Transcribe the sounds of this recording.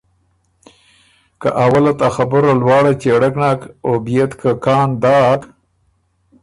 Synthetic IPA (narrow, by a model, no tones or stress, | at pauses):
kaʔawalat̪axabəɾalwɑːɽat͡ʃeɽakɳɑkobijet̪kʰakɑːnd̪ɑːk